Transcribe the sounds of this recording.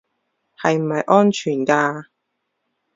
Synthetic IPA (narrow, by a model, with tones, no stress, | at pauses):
hɐ˨jm̩˨˩hɐ˨jʔɔː˥nt͡ʃʰyː˨˩nkaː˧